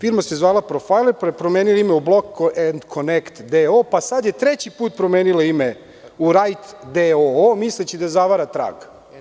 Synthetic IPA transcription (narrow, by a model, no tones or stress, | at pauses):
fiɾmasezvʋaːlˠapɾofajlˠeppɾomeːnilaimeublˠokend̪kʰonekt̪d̪eopasad̪jet̪ɾet͡ɕipuːt̪̚pɾomeːnilaime | uɾajt̪d̪eoomislet͡ɕid̪azaʋaɾat̪ɾa̰ɡ